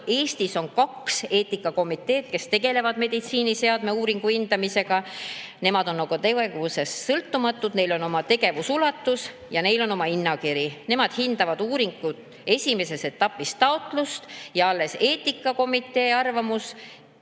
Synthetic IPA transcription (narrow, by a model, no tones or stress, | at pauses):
e̞ːst̪iso̞nkɑkse̞ːt̪ːˑikːˑɑko̞mit̪ːˑe̞ːt̪̚ke̞st̪e̞ɡ̥e̞le̞vɑd̪̥me̞d̪̥it̪siːnise̞ɑd̪me̞uːɾiŋɡ̥uind̪̥ɑmise̞ɡ̥ɑne̞mɑd̪̥o̞nːɑɡ̥ut̪eweɡvuse̞sːɤlt̪ːumɑt̪ːˑud̪̥ne̞jlo̞no̞mɑt̪e̞ɡe̞vusulɑt̪ːˑus | jɑne̞jlo̞no̞mɑinːɑkiɾine̞mɑd̪̥hind̪̥ɑvɑd̪uːɾiŋɡ̥ut̪ˑ | e̞sʲime̞se̞se̞t̪ːˑɑpːˑist̪ɑot̪ˑlust̪jɑɑlːe̞se̞ːt̪ˑːikːˑɑko̞mit̪ːˑe̞ːɑrvɑmus